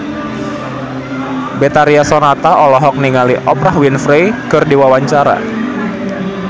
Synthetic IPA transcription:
bet̪aɾiasonat̪aʔɔlɔɦɔk̚niŋaliʔɔpɾaɦwinfɾejkɨrdiwawaɲt͡ʃaɾa̰

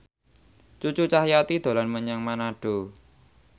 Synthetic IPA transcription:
t͡ʃut͡ʃut͡ʃahjat̪id̪̥o̤lanməɲaŋmanaɖ̥o̤

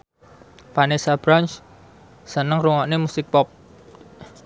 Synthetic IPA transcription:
panesab̥ɾant͡ʃ | sənəŋruŋɔʔnemusɪk̚pɔp̚

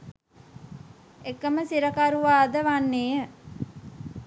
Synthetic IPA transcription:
ekəməsiɾəkaɾuʋaːd̪əʋanːeːə

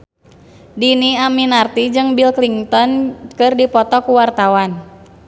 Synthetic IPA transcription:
diniaminart̪id͡ʒɨŋbilkliŋt̪ɔnkɨrdipɔt̪ɔkuwart̪awan

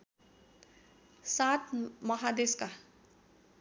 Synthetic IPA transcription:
sat̪ʰmʌɦad̪eska

